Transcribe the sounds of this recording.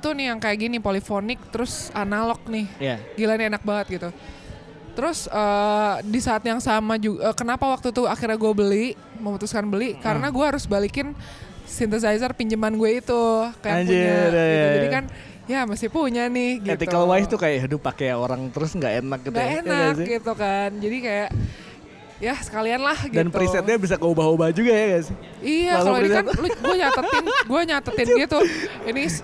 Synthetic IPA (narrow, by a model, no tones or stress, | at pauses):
t̪unɪhjaŋkajaʔɡinipolifonɪk̚t̪əɾʊsanalɔk̚nɪhjaɡilanienak̚baŋət̪̚ɡit̪u | t̪əɾʊsədisaːt̪jaŋsamad͡ʒuɡəkənapawak̚t̪ut̪uakirɲaɡuabəli | məmut̪uskanbəlikaɾənaɡuaɦaɾʊsbalikɪn | sint̪əsaizərpiɲd͡ʒəmanɡueit̪ukajad͡ʒɛad͡ʒd͡ʒadikan | jamasɪhpuɲanɪhɡiet̪ikəlwajst̪ukajaʔɦədʊpːakeoɾaŋt̪əɾʊsŋɡaʔenak̚ɡitŋɡ̪aenaɡaksɪɡit̪ukand͡ʒadikajaʔ | jasə̥kalianlahɡidanp̪uɾisɛt̪̚ɲabis̬akəubaɦobahd͡ʒuɡajaɡasɪ | ijalaikanloɡuaɲat̪ət̪ɪnɡuaɲat̪ət̪ɪnɡit̪uinɪs